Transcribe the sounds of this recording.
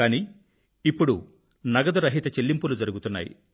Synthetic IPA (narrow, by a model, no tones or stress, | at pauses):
aːni | ipːuɽu | nɐɡɐd̪uɾɐɦit̪ɐt͡ʃelːimpulud͡ʒɐɾuɡut̪unːa̰ːjḭ